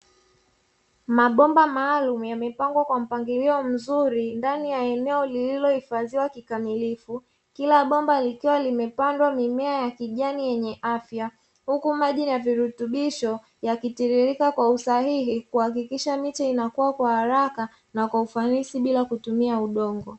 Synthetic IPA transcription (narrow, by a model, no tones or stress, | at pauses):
maɓɔmbamaːlumujamɛpaŋɡwakwam̩paŋɡiliɔm̩zuɾindanijaɛnɛɔlililɔhifaziwakikamilifu | kilaɓɔmbalikiwalimɛpandwamimɛajakiʄanijɛɲɛʔafja | hukumaʄijaviɾutuɓiʃɔ | jakitiɾiɾikakwausahiɦikuhakikiʃamit͡ʃainakuwakwahaɾaka | nakwaufanisiɓilakutumiauɗɔŋɡɔ